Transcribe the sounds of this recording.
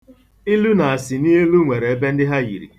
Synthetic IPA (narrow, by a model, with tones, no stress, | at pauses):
i˦lu˦na˨a˨sɪ˨ni˦ɦe˦lu˦ŋʷe˨ɾe˨e˦be˦n̩˦dɪ˦ɦa˦jḭ˨ɾḭ˨